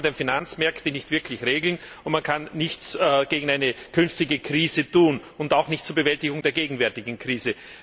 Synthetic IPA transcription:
demfinant͡smɛɐktənɪçtv̥ɪɐkʰlɪçʁeːɡl̩nʊ̃ntmankʰanːɪçt͡sːɡ̥eːɡŋ̩aɪnəkʰʏnftɪɡəkʁ̥iːzətuːnʊntaʊxnɪçtt͡suːɐbəvɛltɪɡʊŋdeːɐɡeːɡŋ̩vɛɐtɪɡŋ̩kʁ̥iːzə

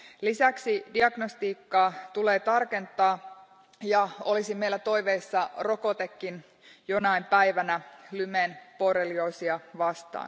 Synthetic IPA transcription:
lisæksidiɑɡnost̪iːkːɑːt̪ule̞ːt̪ɑrke̞nt̪ˑɑː | jɑo̞lisimeilæt̪o̞jʋeisːɑro̞ko̞t̪ekːin | jo̞nɑimpæjʋænælymenporelioisiɑʋɑst̪ɑ̰ːn

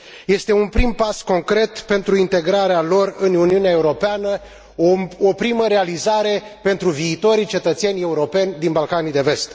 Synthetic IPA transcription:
je̞st̪e̞unpɾimpasko̞ŋkɾe̞t̪pe̞nt̪ɾuint̪e̞ɡɾaɾealo̞rɨnuniunae̞uɾo̞peanə | oopɾiməɾe̞alizaɾe̞pe̞nt̪ɾuviːt̪o̞ɾit͡ʃe̞t̪ət̪se̞nʲe̞uɾo̞pe̞nʲd̪inbalkanid̪e̞ve̞st̪

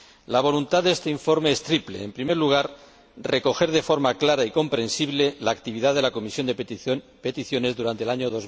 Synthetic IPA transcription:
laβ̞o̞lunt̪aðest̪eiɱfo̞ɾme̞est̪ɾiple̞̰ːmpɾime̞ɾluɣ̞aɾ | reko̞xe̞ɾð̞e̞fo̞ɾmaklaɾaiko̞mpɾẽ̞nsiβle̞laːkt̪iβiðaðe̞lako̞misjond̪e | pe̞t̪iθjo̞ne̞zðuɾant̪elaɲoðoz

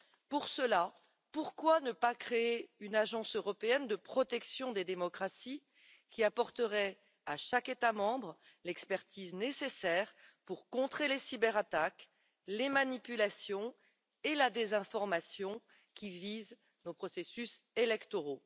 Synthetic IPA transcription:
puʁsəla | puʁkwanəpakχeeynaʒɑ̃søʁɔpeɛnd̪əpχɔt̪ɛksjɔ̃d̪ed̪emɔkχasi | kʲiapɔʁt̪əʁɛ | aʃaket̪amɑ̃bʁ | lɛkspɛʁt̪iznesesɛːʁpuʁkɔ̃t̪χelesibɛʁat̪ak | lemanipylasjɔ̃ | elad̪ezɛ̃fɔʁmasjɔ̃ | kʲiviz | nopχɔsesyselɛkt̪ɔʁo

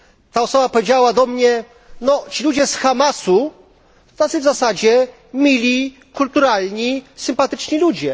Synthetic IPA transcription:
t̪aɔsɔbapɔvʲjed͡ʑawad̪ɔmɲɛ | nɔt͡ɕilud͡ʑɛsxamasu | t̪at̪sɨvzasad͡ʑɛ | mʲilʲi | kult̪uɾalɲisɘmpat̪ɘt͡ʂɲilud͡ʑɛ

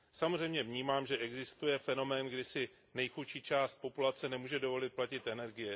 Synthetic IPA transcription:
samor̝ɛjmɲɛvɲiːmaːmʒɛʔɛɡzɪst̪ujɛfɛno̞mɛːnɡdɪsɪ | nɛjxutʃiːt͡ʃaːst̪̚po̞pulat͡sɛnɛmuːʒɛdo̞vo̞lɪt̪̚placɪt̪ʔɛnɛɾɡɪjɛ

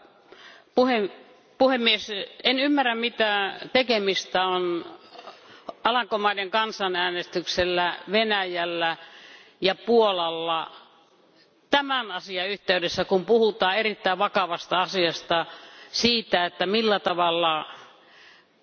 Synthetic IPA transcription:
puhe | puhemːiesenymːærːæmmit̪æt̪ekemist̪æon | ɑlɑŋkomɑineŋkɑnsɑnæːnest̪ykselːæʋenæjælːæ | jɑpuolɑlːɑ | t̪æmænɑsiɑyht̪eydesːækumpuhut̪ɑːerit̪ːæˑiʋʋɑkɑʋɑst̪ɑɑsiɑst̪ɑsiːt̪æet̪ːæmilːæt̪ɑʋɑlːɑ

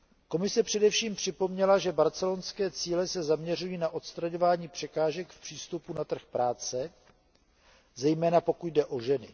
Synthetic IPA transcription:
ko̞mɪsɛpr̝̥ɛdɛfʃiːmpr̝̥ɪpo̞mɲɛlaʒɛbaɾt͡sɛlonskɛːt͡siːlɛsɛzamɲɛr̝ujiːnaʔot̪st̪ɾaɲo̞vaːɲiːpr̥ɛkaːʒɛkfpr̝̥iːst̪upunat̪r̩xpɾaːt͡sɛ | zɛjmɛːnapo̞kut̚dɛʔo̞ʒɛnɪ

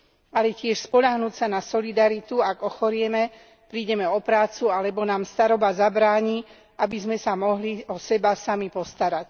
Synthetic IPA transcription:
alɛcɪɛʃspɔʎaɦnuːcsanasɔlid̪aɾit̪uaɡɔxɔɾɪɛmɛ | pɾiːɟɛmɛɔpɾaːt͡sualɛbɔnaːmst̪aɾɔbazabɾaːɲi | ʔabizmɛsamɔɦliɔsɛbasamipɔst̪aɾac

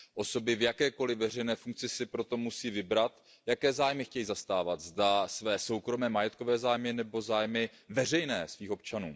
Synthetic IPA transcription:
ʔo̞so̞bɪvjakɛːko̞lɪvɛr̝ɛjnɛːfuŋk̚t͡sɪsɪpɾo̞t̪o̞musiːvɪbɾat̪ | jakɛːzaːjmɪxcɛjiːzast̪aːvat̪zdasvɛːso̞wkɾo̞mɛːmajɛt̪̚ko̞vɛːzaːjmɪnɛbo̞zaːjmɪ | vɛr̝ɛjnɛːsviːxo̞p̚t͡ʃanuː

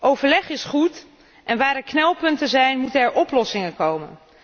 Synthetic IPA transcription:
ʔowvəɹlɛχɪsχut | ʔɛnʋaːɾɛɹknɛlˠpɵntəzɛjnmutənɛɹʔɔplɔsɪŋənkowmə̰n

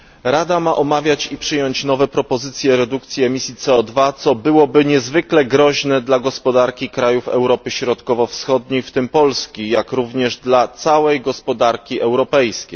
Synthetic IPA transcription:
ɾad̪amaʔɔmavʲjat͡ɕipʂɘjɔɲt͡ɕnɔvɛpɾɔpɔzɘt̪sʲjɛɾɛd̪uk̚t̪sʲjɛɛmʲisʲjit̪sɛɔd̪vat̪sɔbɘwɔbɘɲɛzvɘklɛɡɾɔʑnɛd̪laɡɔspɔd̪aɾkʲikɾajufɛ̰wɾɔpɘɕɾɔt̪kɔvɔfsxɔd̪ɲejft̪ɘmpɔlskʲijakɾuvɲɛʐd̪lat̪sawɛjɡɔspɔd̪aɾkʲiʔɛwɾɔpɛjskʲej

